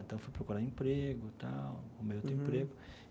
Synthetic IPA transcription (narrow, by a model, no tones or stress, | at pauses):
ẽnt̪ɐ̃w̃fojpɾokuɾaẽpɾeɡʊt̪awõmeot̪uẽpɾeɡʊ